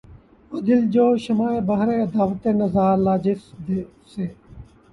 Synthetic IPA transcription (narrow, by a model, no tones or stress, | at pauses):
od̪ɪld͡ʒoːʃəmaːeːbəɦɾeːɐd̪aːʋət̪eːnəzaːɾlaːd͡ʒɪsd̪e | seː